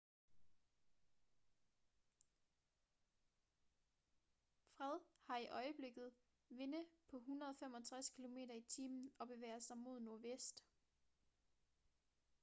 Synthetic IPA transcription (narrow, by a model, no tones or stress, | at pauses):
fʁɛð̞ˠhɑ̈iʔɒ̽ɪəb̥le̝ɡ̥ð̞̩ˠ | ʋe̝nəpʰɒ̽ɦunɐð̞̩ˠɒ̽femɒ̽t͡sʰʁaskʰilo̝me̝̰ːdɐit͡sʰiːmn̩ɒ̽b̥e̝ʋḛːɐsɑ̈ɪmo̝ð̞̰ˠno̝ɐʋesd̥